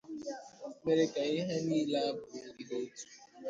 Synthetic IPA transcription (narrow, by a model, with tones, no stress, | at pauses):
a˨me˦ɾɪ˦˨ka˨ɪ˦ɦe˦niː˦la˦a˦bʊ˨ŋ̩˨di˨ɦo˦tu̥˨